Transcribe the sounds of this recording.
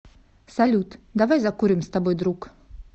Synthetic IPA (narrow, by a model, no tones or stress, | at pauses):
sɐlʲut̪d̪ɐvajzɐkuɾʲɪmst̪ɐbojd̪ɾuk